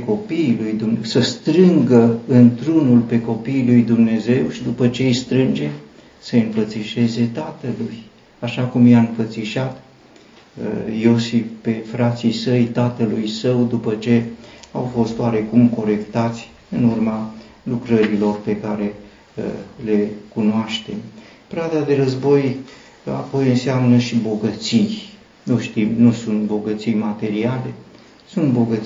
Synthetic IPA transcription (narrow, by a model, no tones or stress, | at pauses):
ko̞pilujd̪umsəst̪ɾɨŋɡəɨnt̪ɾunulpe̞ko̞pilujd̪umne̞ze̞wʃid̪upət͡ʃe̞ijst̪ɾɨnd͡ʒe̞ | səɨɱfət̪siʃe̞ze̞t̪at̪əluj | aʃakumjaɨnfət̪siʃat̪ | ə̰jo̞sifpe̞fɾat̪sijsəjt̪at̪əlujsəwd̪upət͡ʃe̞awfo̞st̪oaɾe̞kumko̞ɾe̞kt̪at̪sʲ | ɨnurma | lukɾəɾilo̞rpe̞kaɾe̞ | le̞kunoaʃt̪e̞m | pɾad̪ad̪e̞ɾəzbo̞j | a̰po̞jɨnseamnəʃibo̞ɡət̪sij | nuʃt̪imnusunt̪bo̞ɡət̪sijmat̪e̞ɾiale̞ | sunt̪bo̞ɡə